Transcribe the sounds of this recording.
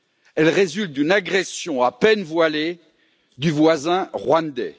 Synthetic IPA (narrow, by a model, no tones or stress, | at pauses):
ɛlʁezylt̪̚d̪ynaɡʁɛsjɔ̃apɛnvwale | d̪yvwazɛ̃ʁwãnd̪ɛ̰